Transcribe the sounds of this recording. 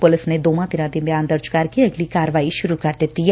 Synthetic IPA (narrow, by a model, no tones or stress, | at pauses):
pʊlɪsned̪oːmãd̪ɪnãd̪ibjaːnd̪ɐɾd͡ʒkaːɾkiɐɡlikaːɾəʋaːiʃʊɾukɐɾd̪eːt̪i